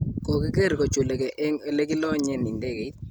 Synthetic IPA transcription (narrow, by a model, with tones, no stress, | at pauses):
ko˨ki˦ke˦˨ɾko˨t͡ʃu˨le˨kɛ˨ʔɛ˦ŋe˦le˦ki˦lɔ˦ɲɛ˦ni˨nde˦ke˨i˦t̪̚